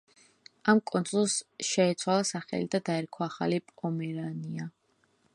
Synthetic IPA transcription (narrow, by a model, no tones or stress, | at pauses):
amkʼɔnt̪sʼulˠsʃɛɛt̪sʰwalˠasaχɛ̰lid̪ad̪aɛɾkʰɔaχa̰lipʼɔmɛɾania